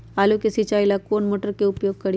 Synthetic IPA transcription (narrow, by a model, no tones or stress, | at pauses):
alukesit͡ʃailakoːnmoːʈəɾkeupjoːɡ̚kəɽi